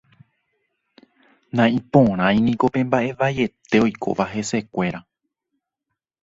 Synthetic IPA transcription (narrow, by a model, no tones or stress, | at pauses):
nãĩpõɾ̃ãj̃nĩko̞pẽ̞mbaʔe̞ʋaje̞t̪e̞o̞jkʰo̞̰ʋaɦe̞se̞kʷe̞ɾa